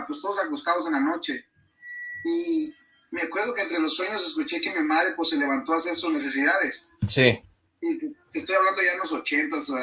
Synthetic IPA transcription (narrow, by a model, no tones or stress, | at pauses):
pwest̪o̞ð̞osakust̪að̞o̞s̬e̞nlano̞t͡ʃe̞ | i | meakweɾð̞o̞kent̪ɾe̞lo̞sːwe̞ɲo̞ses̬kut͡ʃe̞ke̞mimaðɾe̞pwesːe̞le̞βant̪o̞asesuzne̞s̬e̞s̬iðaðe̞ssi | it̪est̪o̞jaβland̪o̞ʝaenlo̞so̞t͡ʃe̞nt̪as